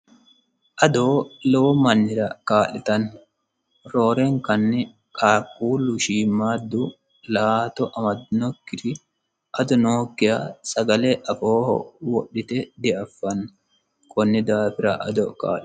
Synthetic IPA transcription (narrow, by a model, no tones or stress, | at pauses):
ʔɐd̪oːlɛwɔmɐnːɪɾɐkaːlɪt̪ɐn | ɾo̞ːɾɛŋkɐnːɛ | kʼaːkːuːlʊʃiːmːaːd̪ːʊ | laːt̪ɔʔɐmɐd̪nɔkːɪt̪ɪ | ʔɐd̪ɔnoːkːɪjasɐɡɐlɛʔɐfoːhɔ̰wɔɗːɪt̪ɛd̪ɛʔɐfːɐn | kʰʼɔnːɪd̪aːpɪɾɐ̰ʔɐd̪ɔka̰ːʔɪ